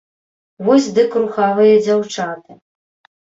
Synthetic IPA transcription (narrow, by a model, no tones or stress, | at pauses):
vɔsʲd̪ɨkɾuxavɨjɐd͡zʲawt͡ʂat̪ɨ